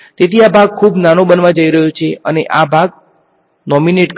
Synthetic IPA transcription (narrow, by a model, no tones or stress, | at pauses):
t̪et̪ʰiabʱaɡ̚kʰubnanobənʋad͡ʒəiɾəɦjot͡ʃʰeəneʔabʱaɡ̚ | nɔmineʈk